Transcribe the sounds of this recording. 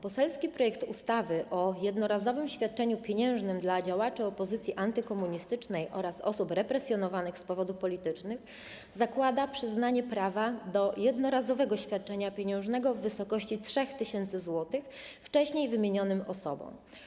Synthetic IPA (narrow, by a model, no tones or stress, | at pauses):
pɔsɛlskʲipɾɔjɛkt̪ust̪avɘʔɔjɛd̪nɔɾazɔvɘmɕfʲjat̪̚t͡ʂɛɲupʲjeɲɛ̃w̃ʐnɘmd̪lad͡ʑawat͡ʂɘɔpɔzɘt̪sʲjiʔant̪ɘkɔmuɲist̪ɘt͡ʂnɛjʔɔ̰ɾasɔ̰supɾɛpɾɛsʲjɔnɔvanɘxspɔvɔd̪ufpɔlʲit̪ɘt͡ʂnɘx | zakwad̪apʂɘznaɲɛpɾavad̪ɔjɛd̪nɔɾazɔvɛɡɔɕfʲjat̪̚t͡ʂɛɲapʲjeɲɛ̃w̃ʐnɛɡɔvːɘsɔkɔɕt͡ɕitʂɛxt̪ɘɕɛnt̪sɘzwɔt̪ɘxft͡ʂɛɕɲejvɘmʲjeɲɔnɘmɔsɔbɔ̰̃w̃